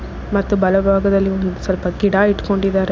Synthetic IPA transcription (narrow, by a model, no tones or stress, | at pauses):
mɐt̪ːubɐlɐbʱaːɡɐðɐlːiɔnd̪usɐlpɐɡɪɽaːɪʈːkoɳɖid̪aːɾe